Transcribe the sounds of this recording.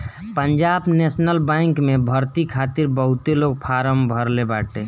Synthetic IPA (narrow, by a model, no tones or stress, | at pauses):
pəɲd͡ʒabnesnəlbãjŋkmebʱəɾt̪ikʰat̪iɾbəɦut̪eloɡ̚pʰaɾəmbʱəɾlebaʈe